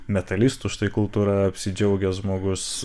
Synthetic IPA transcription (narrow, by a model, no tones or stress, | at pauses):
mʲɛt̪ɐlʲiːst̪ʊʃt̪ɐɪkʊlˠt̪uːɾɐɐpʲsʲɪd͡ʒʲɛʊɡʲɛʒmoːɡʊs